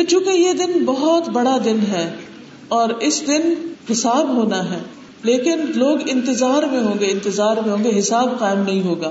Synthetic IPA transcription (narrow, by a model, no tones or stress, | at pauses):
t͡ʃũːkejed̪ɪnbɐɦɔt̪bɐɽad̪ɪnɦɛː | ɔːɾɪsd̪ɪnɦɪsaːbɦoːnaɦɛː | leːkɪnloːɡɪ̃nt̪ɪzaːɾmẽɦõːɡeɪ̃nt̪ɪzaːɾmẽɦõːɡeɦɪsaːbqaːɪmnɐɦĩɦoːɡaː